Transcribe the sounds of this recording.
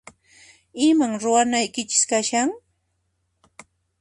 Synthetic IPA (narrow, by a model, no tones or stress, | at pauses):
ɪmaŋɾʊwanajkɪt͡ʃɪ̥skaʃaŋ